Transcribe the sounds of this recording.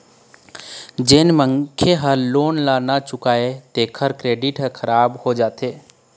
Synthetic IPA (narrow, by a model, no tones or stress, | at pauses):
d͡ʒenməŋkʰeɦəloːnlaːnat͡ʃʊkaːet̪eːkʰəɾkɾeːɖɪʈɦə̃kʰəɾaːbhod͡ʒaːt̪eː